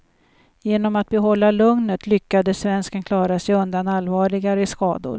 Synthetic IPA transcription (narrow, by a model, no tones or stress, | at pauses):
jeːnɔmat̪̚bɛɦɔlːalɵŋnət̪lʏkːad̪əsvɛnskənkʰlɑːɾasɛjɵnd̪analːvɑːɭɪɡaɾəɪskɑ̰ːd̪ʊ̰ɾ